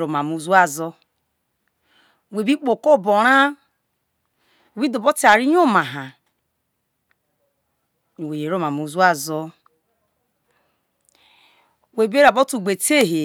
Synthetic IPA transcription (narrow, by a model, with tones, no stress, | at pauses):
ɾo˨ma˨mu˨zu˦a˦˨zɔ˦ | we˨bi˦k͡po˨ko˦˨bo˨ɾa˦ | e˨bi˦do˨bo˦ti˦a˨ɾi˦ɲ˦o˦ma˨ɦa˨ | we˨e˨ɾo˦˨ma˨mu˨zu˦a˦˨zɔ˦ | we˨be˦ɾa˨bo˦tu˨ɡ͡be˨te˦˨ɦe˨